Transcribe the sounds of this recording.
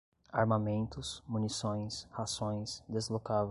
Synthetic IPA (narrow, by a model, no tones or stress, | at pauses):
aɾmamẽnt̪ʊsmunisõj̃shasõj̃sd̪ezlokav